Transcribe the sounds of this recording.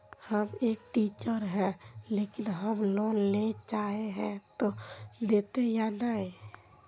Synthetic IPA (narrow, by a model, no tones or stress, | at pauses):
həmeːk̚ʈiːt͡ʃəɾɦɛ̃leːkɪnɦəmloːnlet͡ʃaːeɦɛ̃t̪od̪eːt̪ejanəɦi